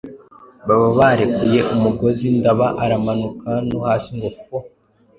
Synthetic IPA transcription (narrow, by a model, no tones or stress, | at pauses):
βaβaβaɾe̞kuje̞ʔumuɡo̞zindaβaʔaɾamanukanohaːsiŋɡokuko